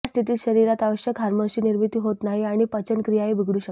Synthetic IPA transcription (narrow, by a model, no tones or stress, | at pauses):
st̪ʰit̪iːt̪ɕəɾiɾat̪aʋəɕjəkɦaɾməɾɕiːniɾmit̪iːɦot̪naɦiaɽ̃ipət͡ɕənkɾijaeʋiɡɽuːɕə